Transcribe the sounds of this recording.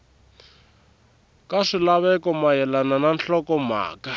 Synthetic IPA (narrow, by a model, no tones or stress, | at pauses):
kaʂilaβɛkɔmajɛlanananɬɔkɔma̰ːka